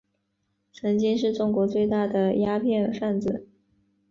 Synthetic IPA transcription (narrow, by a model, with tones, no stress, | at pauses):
ʈ͡ʂʰɤ˧˥ŋt͡ɕi˥ŋʂɻ̩˥˧ʈ͡ʂʊ˥˩ŋkwɔ˧˥t͡swe˥˧ɪt̪a˥˩d̪ə˩ja˥pʰjɛ˥˧nfa˥˩nt͡sɹ̩˨˩